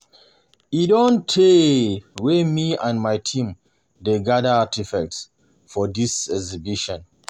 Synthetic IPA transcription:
idɔ̃ntʰːe | wemiãnmajtʰĩm | deɡadəatifɛk̚ts | fɔdisɛɡzibiʃɔ̃n

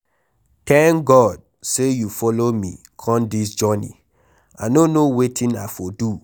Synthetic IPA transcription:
tɛ̃ŋkɡɔd̚ | sejufɔlomḭ | kʰɔ̃ndis̬d͡ʒɔnḭ | a̰nonowetʰĩnafodu

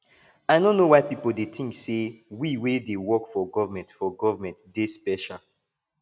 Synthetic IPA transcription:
aɪdõnːowaɪpipəl̩ˠdeθĩŋksewiwedewɔkfɔɡɔvəmɛ̃ntfɔɡɔvəmɛ̃ntdɪspɛʃal

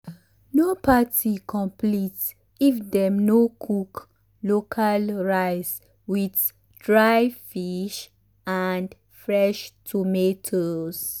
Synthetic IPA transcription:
nopʰatikʰɔ̃mplit | ifdɛmnokʰuk | lokʰalɹaɪs | wid | dɹajfiʃ | and | fɹɛʃtʰumetʰos

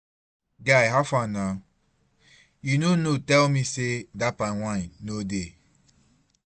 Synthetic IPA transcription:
ɡaɪɦafãnnaʊ | junonotɛlmisedapawʷaɪ̃nːode

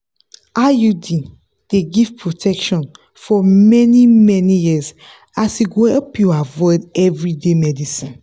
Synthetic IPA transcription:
ajudi | d̥eɡiv̥pʰɹotʰɛkʃɔ̃n | fɔmɛnimɛnijiz | asiɡoɛlpjuavɔɪdɛvɹidemɛdisĩn

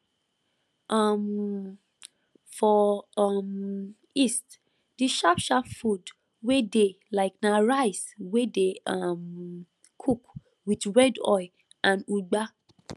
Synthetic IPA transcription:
ʔɔm | fɔm | ist | d̥iʃapʃapfud | wede | laɪknaɹaɪswedeam | kʰuk | widɹɛdɔj | ãnuɡ͡ba

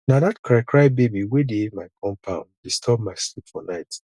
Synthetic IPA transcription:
nadatkʰɹaɪkʰɹaɪbebiwedemaɪkʰɔ̃mpʰãʊ̃ndistʰɔb̚maɪslipfɔnaɪt

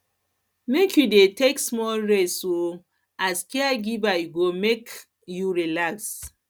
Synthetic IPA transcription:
mekʰjudeteksmɔlɹetso | askeaɡivajuɡomek | juɹilaks

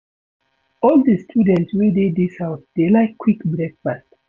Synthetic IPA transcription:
ɔldəstʰudɛ̃ntswededisaʊt̚d̥elaɪkʰːwikbɹɛk̚fast

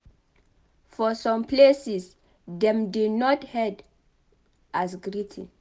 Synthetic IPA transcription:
fɔsɔ̃mpʰlesis | ðɛ̃mdidnɔthɛd | ʔasɡɹitʰḭ̃

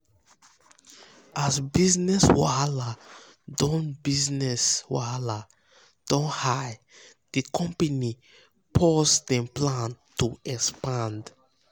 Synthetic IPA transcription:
ʔasbiznɛswaala | dɔ̃nbiznɛswa̰ala | d̥ɔ̃nhaj | d̥ikʰɔ̃mpani | pʰɔsdɛ̃mplãntuɛkspãnd

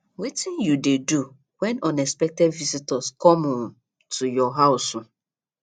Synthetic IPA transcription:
witĩnjudedu | wɛnɔnɛspɛk̚tɛdvisitɔskɔmʊ | tʰujɔɦaʊsʊ

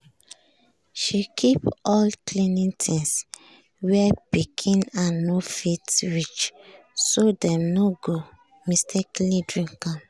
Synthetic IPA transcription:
ʃikʰipɔlklinĩtʰĩŋs | wɛpikʰĩnãnːofitɹit͡ʃ | sodɛ̃mnoɡo | mistʰɛklĩdɹĩŋkãm

